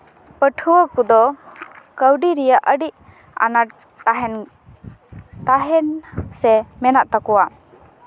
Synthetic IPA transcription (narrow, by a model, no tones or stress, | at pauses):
pəʈʰuwəkud̪ɔ | kəwɖiɾijaʔəɖiʔ | a̰naʈ̚ | t̪aɦɛn | t̪aɦɛnsɛmɛnaʔt̪akɔwa